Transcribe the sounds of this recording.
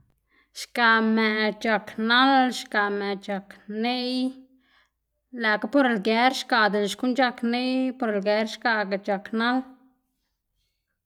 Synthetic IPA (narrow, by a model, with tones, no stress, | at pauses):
ʃka˨me˨t͡ʃa˨kna˦lʃka˨me˨ʔt͡ʃa˨kne˦j | læ˨ka˦po˦ɾe˨lɡe˨˦ɾʃka˨d̪e˨lʃku˦nt͡ʃa˧kne˦jpo˧ɾe˨lɡe˨˦ɾʃka˧ɡa˨t͡ʃa˨kna˦l